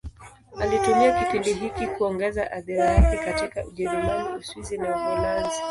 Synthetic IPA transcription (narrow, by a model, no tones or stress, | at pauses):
alitumiakipindiɦikikuɔŋɡɛzaʔaðiɾajakɛkatikaʔuʄɛɾimaniuswizinavalanzi